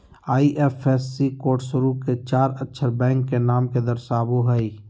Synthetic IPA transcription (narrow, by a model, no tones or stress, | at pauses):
aːiʔeːfʰeːsːikoːʈsʊɾuket͡ʃaːɾətːʃʰəɾbɛ̃ːŋkːenaːmked̪əɾsaːboɦəi